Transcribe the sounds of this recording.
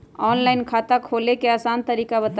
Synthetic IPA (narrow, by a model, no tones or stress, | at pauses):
ɔnlaɪnkʰat̪əkʰolekeəsant̪əɾikabət̪